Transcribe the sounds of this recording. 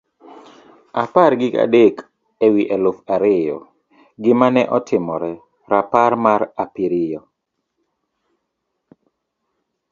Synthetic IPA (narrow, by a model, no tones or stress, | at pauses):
aparɡɪka̰dek | ewiʔɛlofaɾɪjɔ | ɡɪmanɛʔɔtʰɪmɔɾɛ | ɾapaɾmaɾapiɾɪjɔ